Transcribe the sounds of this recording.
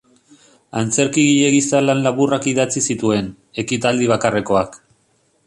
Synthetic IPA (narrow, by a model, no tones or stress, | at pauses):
ant͡se̞ɾkiɣiʎe̞ɣisalanlaβurakiðat͡sisit̪ue̞n | e̞kit̪ald̪iβ̞akare̞ko̞ak